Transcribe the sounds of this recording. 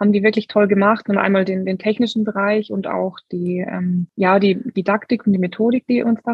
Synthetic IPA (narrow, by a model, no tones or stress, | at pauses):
haːbm̩diːvɪɐklɪçtʰɔlɡəmaχtnʊnʔa̰ɪnmaːldeːndeːntʰɛçnɪʃn̩bəʁaɪçʊnta̰ʊxd̥iːʔɛ̰ːmjaːdiːd̥idaktɪkʊntd̥iːmetʰoːɾɪk̚d̥ḭːʔʊnsd̥a